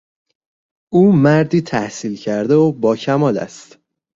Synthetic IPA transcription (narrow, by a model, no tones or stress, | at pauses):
uːmæɾd̪iːt̪ʰæhsiːlcʰæɾd̪eobɒːcʰæmɒːlæ̰st̪